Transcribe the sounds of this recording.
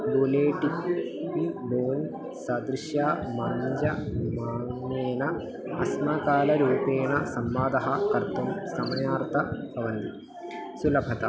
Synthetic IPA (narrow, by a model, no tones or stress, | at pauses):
buleːʈikpiboːn | sɐd̪ɾiʃjaːmɐːɲd͡ʒɐmaːneːnɐ | ɐsmɐkaːlɐɾuːpeːɳɐsɐmʋaːd̪ɐɦɐkɐɾt̪umsɐmɐjaːɾt̪ʰɐpɐʋɐnd̪ḭ | sulɐpʰɐt̪ɐ̰